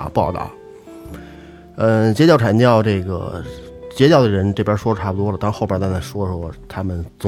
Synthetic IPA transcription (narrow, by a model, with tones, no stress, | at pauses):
pɑ˥˧ʊt̪ɑ̰˥˩ʊ | ə˥˧t͡ɕjɛ˥t͡ɕjʈ͡ʂʰa˨˧˥nt͡ɕjɑ˥˧ʊʈ͡ʂɤ˥˩ɡə̰˩t͡ɕjɛ˥t͡ɕjɑ˥˩ʊd̪ə˩ɻə˧˥nʈ͡ʂɤ˥˩pjʂwɔ˥ə˧ʈ͡ʂʰa˥˩bu˩t̪wɔ˥lə˩t̪ɑ˥˧˥xʊpjə˥t̪t͡sa˥nʰa˥˩ʂwɔ˥˩ʂwɔ˥t̪ʰa˥mə˨nt͡sʊ˧˥